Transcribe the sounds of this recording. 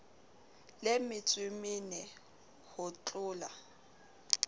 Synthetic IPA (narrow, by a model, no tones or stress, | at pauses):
lɪmɪt͡sʼwɪmɪnɪ | hʊt͡ɬʼʊːla